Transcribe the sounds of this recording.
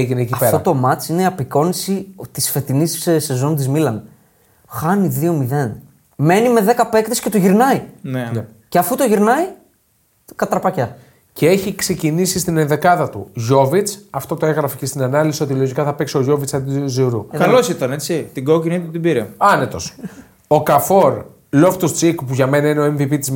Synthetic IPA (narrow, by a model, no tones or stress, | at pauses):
eʝineːciɐɐpetɾɐot̪o̞mɐt͡sineiɐpiko̞nisit̪isfe̞t̪inisse̞zo̞nt̪̬izmilɐn | xɐniðio̞miðe̞n | me̞nime̞ðe̞kɐpe̞kt̪escet̪oʝiɾnɐinene | ceɐfut̪o̞ʝiɾnɐi | kɐt̪ɐɾpɐcɐ | cee̞çikse̞cinisist̪inenðe̞kɐðɐt̪ṵʝo̞vit͡sɐft̪o̞t̪oeɣɾɐficest̪inɐnɐlisio̞t̪ilo̞ʝikɐθɐpeksio̞ʝo̞vit͡sɐd̪it̪ziɾukɐlosit̪ɐnet͡sit̪iɡo̞cinit̪ut̪ibiɾeɐne̞t̪o̞s | o̞kɐfo̞ɾ | lo̞ft̪ust͡sikpuʝɐme̞nɐineoeɱvipit̪iz